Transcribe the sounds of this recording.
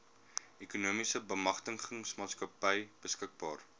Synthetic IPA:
ekunuəmisəbəmɐχtəŋχəŋsmɑːtskɐpəjb̥əskək̚bɑːr

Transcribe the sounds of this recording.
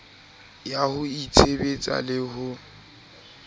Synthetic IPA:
jahʊit͡sʰebet͡sʼa̰lɪhʊ

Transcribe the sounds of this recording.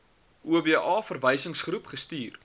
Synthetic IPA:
ʔuəbiʔɑːfərvəjsəŋsχɾupχəstiːr

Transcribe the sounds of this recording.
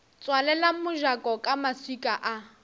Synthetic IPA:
t͡sʼwalɛlamʊʒakʼɔkʼamaswikʼaʔa

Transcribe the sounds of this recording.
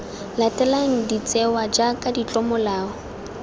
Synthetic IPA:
latʼɛlaŋ̩dit͡sʼɛwad͡ʒakʼadit͡ɬʼɔmɔlaːɔ

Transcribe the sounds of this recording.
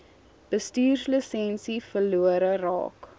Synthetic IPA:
b̥əstyːrsləsɛnsifəluəɾərɑ̰ːk

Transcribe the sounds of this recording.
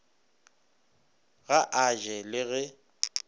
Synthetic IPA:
ɣaʔaʒɛlɪɣɛ

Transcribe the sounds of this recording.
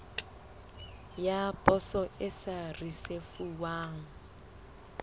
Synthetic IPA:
japʼɔsɔɪsarisefuwaːŋ̩

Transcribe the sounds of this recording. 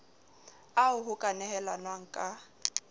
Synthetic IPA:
aʊɦʊkʼanɛɦɛlanwaŋ̩kʼa

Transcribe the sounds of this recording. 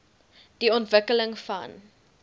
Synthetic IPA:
d̥iɔntvəkələŋfɐ̰n

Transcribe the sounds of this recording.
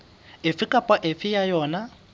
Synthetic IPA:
ɪfɪkʼapʼwaʔɪfɪjajɔːna

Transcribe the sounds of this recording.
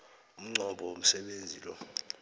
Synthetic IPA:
um̩ŋ͡ǀʱɔɓʱɔom̩sɛɓend͡zʱiːlɔ̰

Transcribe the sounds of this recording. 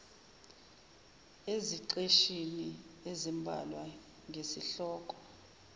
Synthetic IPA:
eziǀeʃiniezimbʱa̰lwa | ŋʱesiɬɔːkʼɔ̥

